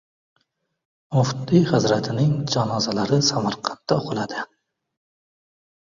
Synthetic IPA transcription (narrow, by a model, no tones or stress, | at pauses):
mʊfd̪ihɪzɾat̪ʰɪnɪŋd͡ʒɒnɒzalaɾɪsamaɾqʰɑ̥nt̪ːaʊqʰɨlˠad̪ɪ